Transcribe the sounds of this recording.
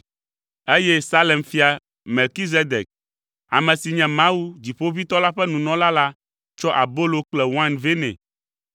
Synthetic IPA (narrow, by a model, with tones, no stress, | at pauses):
e˦jɛ˦sa˦lɛ˨mfi˦a˨ | me˨lki˦z̬e˦d̪e˨k̚ | a̰˨mɛ̃˨si˨ɲɛ̃˨mã˦wu˦d͡ʑi˨ɸo˦vi˦t̪ɔ˦la˦ɸɛ˦nũ˨nɔ̃˦la˦la˦ | t͡ʃɔ˦ʔa˨bo˦lo˦k͡plɛ˨wã˦nve˦nɛ̰̃˨